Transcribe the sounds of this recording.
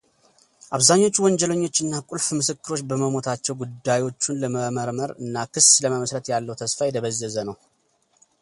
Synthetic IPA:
ʔaβzaɲːo̞t͡ʃːuwɔɲd͡ʒɛləɲːo̞t͡ʃːɨnːakʼulfmɨsɨkːɨɾo̞t͡ʃːbəməmo̞t̪ʰat͡ʃːɛwɡud̪ːajwo̞t͡ʃːunləməʔməɾməɾɨnːakʰɨsləməməsɾət̪jalːəwt̪ʰəsfajɛt̪ʰəβəzːəzənəw

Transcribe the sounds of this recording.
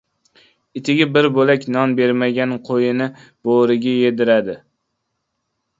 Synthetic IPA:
ɪt̪ʰɪɡʲɪbɪɾbolakʲnɒnbe̞ɾmaɡʲanqʰojɪnɪ | b̥oɾɪɡʲaje̞d̪ɪɾad̪ɪ

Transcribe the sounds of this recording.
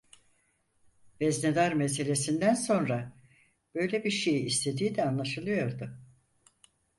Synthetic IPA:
vɛzned̪aɾmes̬e̞lʲe̞sind̪ænso̞nɾa | b̥ø̞jlʲebiɾʃejiːst̪ʰe̞d̪iːid̪ɛanlˠaʃɯlˠɯjo̞ɾd̪ʊ

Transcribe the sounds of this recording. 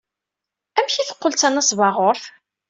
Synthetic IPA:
æmçiθə̥qːəlt͡sænːæsvɑʁʊɾθ

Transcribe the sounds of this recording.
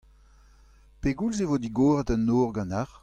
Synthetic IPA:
peɡulzevod̪iɡoːʁətanːoːʁɡɑ̃naʁ

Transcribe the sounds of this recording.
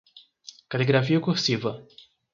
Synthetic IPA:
kaleɡɾafiɐkuhsivɐ

